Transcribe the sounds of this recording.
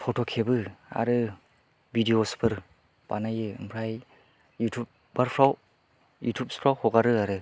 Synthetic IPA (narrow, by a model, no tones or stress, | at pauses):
pʰotʰɔkʰebɯa̰ɾɯ | bidiospʰɯɾ | b̥a̰najɯɯ̰mpʰɾaj | jutʰup̚ | baɾpʰɾaw | jṵtʰjup̚spʰɾawhɔɡaɾɯaɾɯ